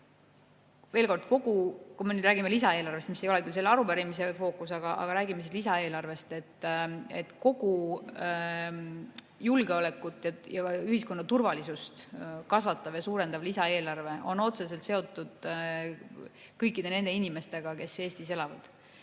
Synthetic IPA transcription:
ve̞ːlko̞rd̪̥ko̞ɡ̥ukumenyd̪ɾæːɡimelisɑe̞ːlɑrve̞st̪misːejo̞lɛkylse̞lːɑɾupæɾimise̞fo̞ːkːˑusɑɡ̥ɑʔɑ̰ɡ̥ɑɾæːɡimes̬ilisɑe̞ːlɑrve̞st̪e̞t̪ːḛt̪ko̞ɡ̥u | julɡe̞o̞lekːˑut̪ːˑjɑjɑyhisko̞nːɑt̪urvɑlisust̪kɑsvɑt̪ːˑɑvjɑsuːɾe̞nd̪̥ɑvlisɑe̞ːlɑrve̞o̞no̞t̪se̞s̬e̞lt̪se̞o̞t̪ːˑud̪̥ | kɤjkːˑid̪̥e̞ne̞nd̪einime̞st̪e̞ɡ̥ɑke̞sːe̞ːst̪ise̞lɑvɑd̪̥

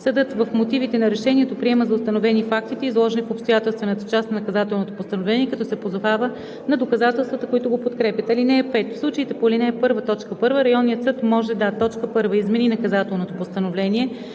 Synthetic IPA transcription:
sɛd̪ɤt̪vəfmot̪ivit̪ɛnɐɾɛʃɛnʲiɛt̪opɾiɛməzɐʊst̪ɐnovɛnifak̚t̪it̪ɛizlˠɔʒɛnifopst̪ojat̪ɛlˠst̪vɛnət̪ə̥t͡ʃast̪ɐnɐkɐzat̪ɛlˠnot̪opost̪ənovlɛniɛkɐt̪ɔsɛpozovavə | nɐd̪okɐzat̪ɛlˠst̪vət̪əkoit̪oɡopot̪kɾɛpʲjət̪ɐlinɛːpɛt̪fslˠut͡ʃəit̪ɛpolinɛpɤɾvət̪ɔt͡ʃkəpɤɾvəɾɐjɔnːijət̪sɤt̪mɔʒɛd̪at̪ːɔt͡ʃkəpɤɾvəizmɛninɐkɐzat̪ɛlˠnot̪opost̪ənovlɛnʲiɛ

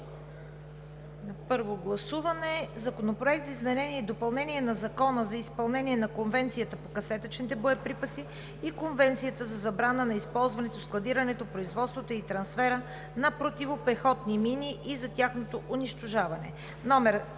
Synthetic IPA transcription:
nɐpɤɾvoɡlˠɐsuvɐnɛzɐkonopɾoɛk̚t̪zizmɛnɛniɛd̪opɐlˠnɛniɛnɐzɐkɔnəzɐispɐlˠnɛnʲiɛnɐkonvɛnt̪sijət̪əpokɐsɛt̪ət͡ʃnit̪ɛboɛpɾipɐsiː | konvɛnt̪sijət̪əzɐzɐbɾanənɐispɔlˠzvɐnɛt̪osklˠɐd̪iɾɐnɛt̪opɾoizvɔt̪st̪vot̪oit̪ɾɐnsfɛɾə | nɐpɾot̪ivopɛxɔt̪niminʲiʔizɐt̪ʲaxnot̪oʔʊniʃt̪oʒavɐnɛ̰ | nɔmɛɾ

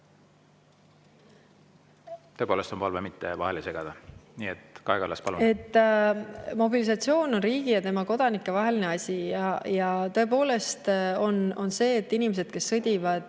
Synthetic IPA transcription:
t̪øpoːle̞st̪o̞mpɑlvemit̪ːḛvɑ̰helese̞ɡ̥ɑd̪̥ɑniːet̪kɑeɡ̥ɑlɑ̰spɑlue̞t̪ː | mo̞bilisɑt̪sio̞ːno̞nriːɡ̥ijɑt̪e̞mɑko̞d̪̥ɑnikˑːe̞vɑɦe̞line̞ɑsʲijɑjɑt̪ɤe̞po̞ːle̞st̪o̞no̞nse̞ːt̪ːinimes̬e̞d̪̥ke̞sːɤd̪ʲivɑd̪̥

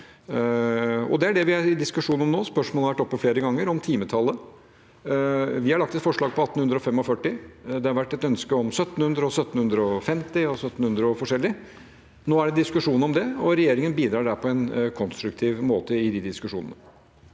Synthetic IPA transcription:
ɔ̰d̪ɛæɖɛʋɪhɑɾɪd̪ɪskʉʂuːnɔmnoːspœʂmɔlhɑʋæʈːɔpːɔfleːɾəɡɑŋːəɾɔmt̪ʰiːmət̪ʰɑlːə | ʋɪhɑɾɭɑkt̪ɛt̪fɔʂɭɑːɡ̚pʰɔɑt̪ːənhʉnd̪ɾɔfɛmːɔfœʈːɪd̪ɛhɑɾʋæʈːɛt̪œnskəɔmsœt̪ːn̩hʉnd̪ɾəɔsœt̪ːn̩hʉnd̪ɾəɔfɛmt̪ɪɔsœt̪ːn̩hʉnd̪ɾəɔfɔʂɛlːɪ | noːæɖɛd̪ɪskʉʂuːnɔmd̪ɛɔɾɛjeːɾɪŋənbiːd̪ɾɑːɖæpʰɔɛnkʰɔnst̪ɾʉkt̪ʰiːʋmoːt̪əɪd̪ɪd̪ɪskʉʂṵːnənə

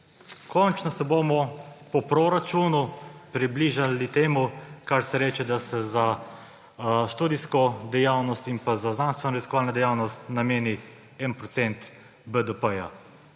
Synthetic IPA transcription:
kɔnt͡ʃnɔsɛbomɔpɔpɾoɾat͡ʃuːnupɾibliːʒalit̪eːmukaɾsɛɾɛːt͡ʃɛd̪asɛza | ʃt̪uːd̪iskɔd̪ɛjawnɔst̪inpazaznaːnst̪ʋɛnoɾiskɔaːlnad̪ɛjawnɔst̪nameːni | ɛnpɾɔt̪sɛnt̪ | bəd̪əpəja̰

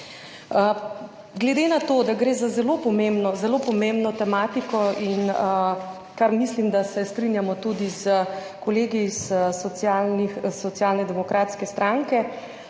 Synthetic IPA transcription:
ə | ɡlɛd̪enat̪od̪aɡɾeːzazɛlopɔmembnɔzɛlopɔmẽmbnɔt̪ɛmaːt̪ikɔin | kaɾmislimd̪asɛst̪ɾinjamɔt̪ud̪izə | kɔleːɡiːssɔt̪sjalnixsɔt̪sjaːlnɛd̪ɛmɔkɾat̪skɛst̪ɾaŋkɛ

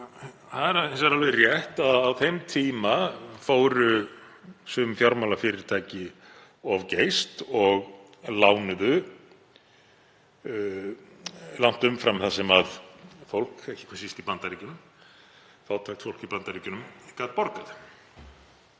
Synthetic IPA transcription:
θaðɛɾaensaɾalvɪrjɛht̪aðawθejmt̪ʰiːmafoːwɾʏ | sʏːfjawɾmawlafɪːɾɪɾ̥t̪ʰaːjcɪ | ɔvcejst̪ɔɣ | laːwnʏðʏ | lan̥t̪ʏmfɾamθasɪmaðfowl̥kehcːɪ̥kʰvasist̪ipant̪aɾicʏnʏm | θaːwt̪ʰaxt̪fowl̥cipant̪aɾiːcʏnʏmkaːt̪̚pɔɾkað

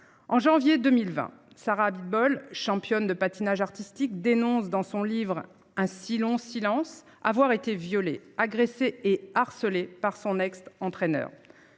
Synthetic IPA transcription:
ɑ̃ʒɑ̃vjed̪ømilvɛ̰̃ | saʁabid̪̚bɔlʃɑ̃pjɔnd̪əpat̪inaʒaʁt̪ist̪ikd̪enɔ̃sd̪ɑ̃sɔ̃livʁ | ɛ̃silɔ̃silɑ̃s | a̰vwaʁet̪evjɔleaɡʁeseeaʁsəlepaʁsɔ̃nɛkst̪ɑ̃t̪χɛnœ̰ːʁ

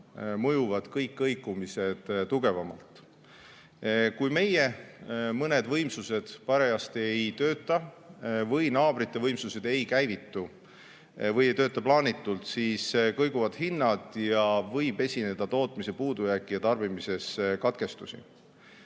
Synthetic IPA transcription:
mɤjuvɑd̪̥kɤjkːɤjkːˑumise̞d̪̥t̪uɡ̥e̞vɑmɑ̰lt̪ˑ | kujme̞je̞mɤned̪vɤjmsuse̞d̪̥pɑɾe̞ɑst̪eejt̪ø̞ːt̪ːˑɑ | vɤjnɑːb̥ɾit̪ˑːe̞vɤjmsuse̞d̪e̞jkæjvit̪ːu | vɤjejt̪øːt̪ːˑɑplɑːnit̪ːˑult̪siːskɤjɡuvɑd̪̥hinːɑd̪̥jɑvɤjb̥e̞sʲine̞d̪̥ɑt̪o̞ːt̪ˑmise̞puːd̪̥ujæːkːˑijɑt̪ɑrb̥imise̞skɑt̪̚ke̞st̪usḭ

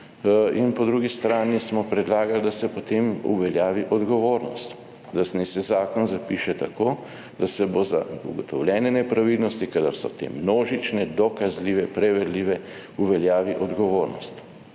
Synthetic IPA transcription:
inpɔd̪ɾuɡist̪ɾaːnismɔpɾɛd̪laːɡald̪asɛpɔt̪eːmṵʋɛljaːʋiʔɔd̪ɡɔʋoːɾnɔ̰st̪ | d̪asnɛsɛzaːkɔnzapiːʃɛt̪akoː | d̪asɛboza̰ṵɡɔt̪ɔwlʲjɛːnɛnɛpɾaʋilnɔst̪ikad̪aɾsɔt̪ḛmnoːʒit͡ʃnɛd̪ɔkazliːʋɛpɾɛʋɛɾliːʋɛ | uʋɛljaːʋiʔɔd̪ɡɔʋoːɾnɔst̪

